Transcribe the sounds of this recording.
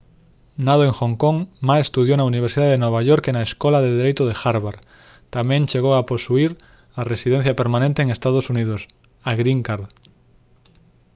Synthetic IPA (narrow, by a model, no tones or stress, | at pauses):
naðoeŋxoŋkõŋmasest̪uð̞jonauniβ̞eɾsiðaðenweβaʝoɾkenaeskolaðeðeɾejt̪oðexaɾβaɾ | t̪amjẽnt͡ʃeɣ̞oaposuiɾ | aresiðẽn̟θjapeɾmãnẽnt̪eːŋest̪að̞osunið̞os | aɣɾiŋkaɾð